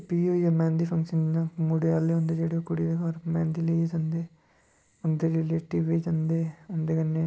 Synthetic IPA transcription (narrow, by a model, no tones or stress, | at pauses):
piːojaːmɛ̃ːnd̪iːpʰəŋkʃənjãːmuɽeːaːleːɦʊ̃nd̪eːd͡ʒeːɽeːokʊɽiːd̪eːkɔɾmɛ̃ːnd̪iːlid͡ʒənd̪eː | ʊnd̪eːɾiːleːʈiːʋiːd͡ʒənd̪eːʊnd̪eːkənːeː